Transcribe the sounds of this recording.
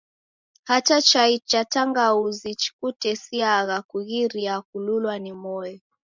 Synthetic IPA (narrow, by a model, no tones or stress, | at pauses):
hatat͡ʃait͡ʃataŋɡauzit͡ʃi̥kutɛsiaɣakuɣiɾiakululwanimɔjɔ